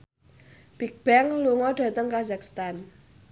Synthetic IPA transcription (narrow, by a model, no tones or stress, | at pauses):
b̥ik̚b̥ɛŋluŋɔɖ̥ä̤t̪əŋkazakst̪an